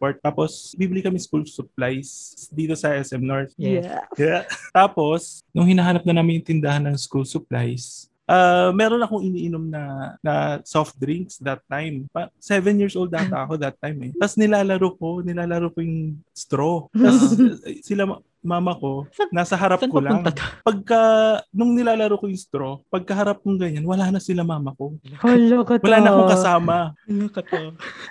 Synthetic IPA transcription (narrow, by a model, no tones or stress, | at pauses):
poɹt̪ːaːposbiːbɪlikɐmɛskulsʊp̚lajsd̪iːt̪o̞sɐʔɛsʔɛmnoɹt̪̚jat̪aːpo̞snʊŋhɪnɐɦaːnɐp̚nɐnaːmɪnɪnt̪ɪnd̪ɐhanɐŋskulsʊplajs | ʔamɛːɾonɐkoŋʔɪniːʔɪnomnɐnɐsoft̪̚d̪ɾiŋksd̪ɐt̪ːajmpasɛvɛnjiːɹsʔowld̪aːt̪ɐɐko̞d̪ɐt̪ːajmɛt̪ɐsnɪlaːlɐɾokonɪlaːlɐɾokojʊŋst̪ɾot̪ɐssɪla | maːmɐko̞ɐnaːsɐɦɐɾapkolanŋt̪ɐkpɐɡ̚kɐnʊŋnɪlaːlɐɾokojʊŋst̪ɾo̞pɐɡ̚kɐɦɐɾap̚kʊŋɡɐɲanwɐlaːnɐsɪlamaːmɐko̞olokowɐlaːnɐkokɐsaːmɐɐkɐt̪o